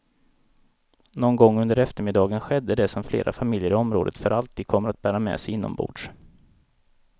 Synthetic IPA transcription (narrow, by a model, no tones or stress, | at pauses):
nɔnɡɔŋːɵnd̪əɾɛft̪əɾmɪd̪ɑːɡənɧɛd̪ːəd̪ɛsɔmflḛːɾʔa̰famɪljəɾɪɔmɾo̰ːd̪ə̰t̪fœɾalt̪ʰiːd̪̚kʰɔmːəɾat̪̚bæːɾamɛ̰ːsɛjɪnːɔ̰mbṵːɖʂ